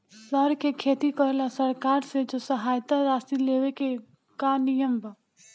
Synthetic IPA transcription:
səɾkekʰeːt̪ikəɾlasəɾkaːɾsed͡ʒosəɦaːjt̪aɾaːsileːʋeke | kanɪjəmba

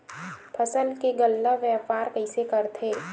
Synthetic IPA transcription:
pʰɐsəlkeɡəlːaʋjɛːpaːɾkəɪsekəɾt̪ʰeː

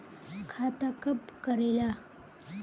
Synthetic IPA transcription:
kʰat̪akɐpkɐɾela

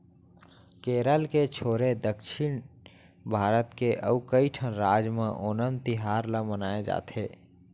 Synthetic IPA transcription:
keːɾəlket͡ʃʰoːɾed̪əkʃɪn | bʱaːɾət̪keʔə̰ukəiʈʰənɾaːd͡ʒmẽʔoːnənt̪iɦaːɾləmənaːed͡ʒa̰ːt̪ʰeː

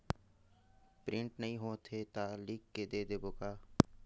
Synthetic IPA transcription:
pɾɪ̃ɳʈnəɦĩɦoːt̪ʰet̪alikːed̪eːd̪eːboːkaː

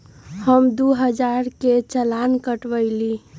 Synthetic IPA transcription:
həmd̪uɦəd͡ʒaɾket͡ʃəlankəʈʋəɪli

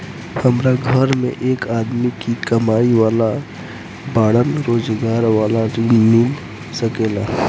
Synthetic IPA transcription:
həmɾaɡʱəɾmḛ̃ʔeːkaːd̪mikikəmaːiʋaːla | baːɽənɾoːd͡ʒɡaːɾʋaːlaɾmɪl | səkeːlaː

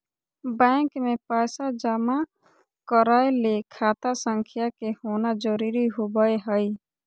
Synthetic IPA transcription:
bɛ̃ŋkmẽpajsad͡ʒama | kəɾaelekʰaːt̪asəŋkʰijakehonad͡ʒəɾiɾiɦobəeɦəj

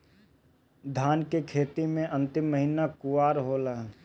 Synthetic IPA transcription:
d̪ʱaːnkekʰeːt̪imẽʔə̃nt̪ɪmːəɦinakʊwaːɾɦoːlaː

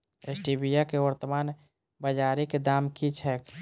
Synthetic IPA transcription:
esʈibijakeʋəɾt̪əmaːn | bəd͡ʒaɾiked̪aːmkit͡ʃʰɛːk

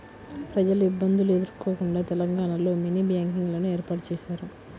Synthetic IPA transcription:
pɾɐd͡ʒɐluibːɐnd̪ulue̞d̪uɾko̞ːkuɳɖaːt̪ɛlɐŋɡaːɳalo̞ːminiːbjaːŋkiŋɡlɐnueːɾpaːʈɐt͡ʃɛːʃaːɾu

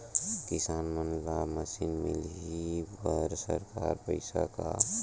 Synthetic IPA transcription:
kɪsaːnmənlaməsinmḭlɦibəɾsəɾkaɾpəɪsa̰ka̰

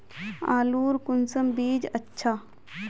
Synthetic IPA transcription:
a̰ːluːɾkʊnsɐmbiːd͡ʒɐtːʃʰa

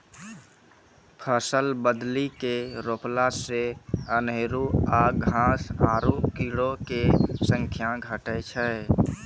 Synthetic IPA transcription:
pʰəsəlbəd̪likeɾoːplaseəneɾuaːɡʱãːsaːɾukilokesə̃ŋkʰjaɡʱəʈɛt͡ʃʰɛ

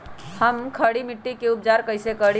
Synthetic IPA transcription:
həmkʰəɽimiʈːikeup̚d͡ʒaɾkəjsekəɽi

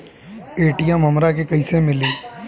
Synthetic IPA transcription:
eːʈijɛmɐmɾakekɐɪsemɪliː

